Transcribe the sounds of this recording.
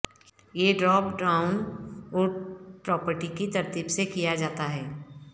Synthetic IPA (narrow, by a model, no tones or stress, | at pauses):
jeɖɾɔːpɖaːʊnɔːɾpɾɔːpəɾʈikit̪ɐɾt̪ibsekijad͡ʒaːt̪aɦɛː